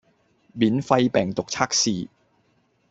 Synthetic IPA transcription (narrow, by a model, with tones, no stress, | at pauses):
miː˨˥nfɐ˧jpɛː˨ŋt̪ʊ˨k̚t͡sʰaː˥k̚siː˨˩